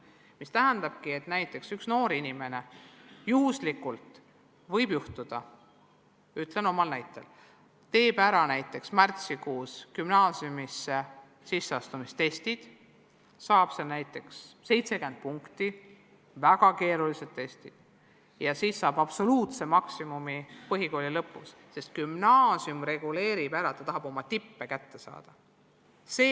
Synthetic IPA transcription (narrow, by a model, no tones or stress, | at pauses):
mist̪æɦænd̪̥ɑb̥kie̞t̪næjt̪ːˑe̞ksyksno̞ːɾinime̞ne̞juːslikːˑult̪ | vɤ̞jbjuht̪ud̪̥ɑ | yt̪le̞no̞mɑlnæjt̪ːˑe̞̰l | t̪e̞ːb̥æɾɑnæjt̪ːˑe̞ksmært̪sikuːskymnɑːsiumise | sisːeɑst̪umist̪e̞st̪id̪̥ | sɑːb̥sɑlnæjt̪ˑːe̞ksse̞jt̪se̞kend̪̥̚puŋkt̪i | væɡ̥ɑke̞ːɾulise̞d̪̥̚t̪e̞st̪id̪̥ | jɑsiːsːɑːb̥ɑb̥so̞luːt̪se̞mɑksimumipɤɦiko̞lilɤpːˑṵs | se̞st̪̚kymnɑːsiumre̞ɡ̥ule̞ːɾibæɾɑet̪ːˑɑt̪ɑɦɑb̥o̞mɑt̪ipːekæt̪ːe̞sɑ̰ːd̪̥ɑ | se